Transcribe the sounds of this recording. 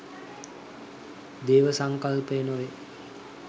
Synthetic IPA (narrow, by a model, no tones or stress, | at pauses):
d̪eːʋəsaŋkalpəjnoʋe